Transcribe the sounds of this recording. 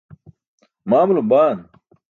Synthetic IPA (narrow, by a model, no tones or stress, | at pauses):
maːmulobaːn